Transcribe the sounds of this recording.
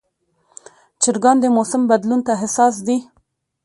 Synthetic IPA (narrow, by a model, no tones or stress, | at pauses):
t͡ʃɪɾɡɑnd̪əmosɪmbad̪lunt̪aɦɪsɑs̬d̪i